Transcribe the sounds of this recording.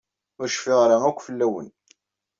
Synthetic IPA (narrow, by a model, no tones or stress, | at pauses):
ʊɾʃfɪʁɾaækʷːfəlːæwə̰n